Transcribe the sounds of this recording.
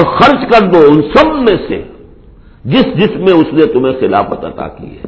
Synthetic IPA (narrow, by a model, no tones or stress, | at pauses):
xɐɾt͡ʃkɐɾd̪oʊnsɐbmẽsḛ | d͡ʒɪsd͡ʒɪsmẽʊsnẽt̪ʊm̤ẽxɪla̰ːfɐt̪ɐ̰t̪a̰ːkḭɛ̰ː